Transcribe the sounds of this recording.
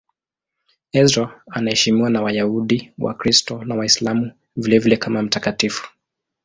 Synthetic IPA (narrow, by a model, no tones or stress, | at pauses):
ɛzɾɔanahɛʃimiwanawajauɗiwa̰kɾistɔnawaislamu | vilɛvilɛkʰamam̩takatifu̥